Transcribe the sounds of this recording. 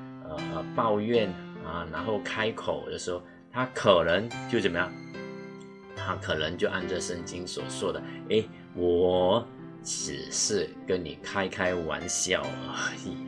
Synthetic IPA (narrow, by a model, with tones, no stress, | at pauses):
ə˧˩˧pɑ˥˧ʊɥɛ˥˩˨nə˨˩na˧˥nxo˥˩ʊkʰa˥ɪkʰo˨˩ʊd̪ə˦˩ʂɻ̩˧˥ho˧ | t̪ʰa˥kʰə˨˩nə˧˥ŋt͡ɕjo˥˩ʊt͡sə˨˩nmə˦ja˥˩ŋ | t̪ʰa˥kʰɤ˨˩nə˧˥ŋt͡ɕjo˥˧ʊʔa˥˧nʈ͡ʂə˥˧˨ʂə˥˩ŋt͡ɕi˥ŋswɔ̰˨˩t͡swɔ˥˩d̪ə˩e˥˩ɪ | wɔ˨˩ | ʈ͡ʂ̩˨˩ʂɻ̩˥˩kə˥nni˨˩kʰa˥ɪkʰa˥ɪwa̰˧˥nɕjɑ˨˩ʊ˧˦˩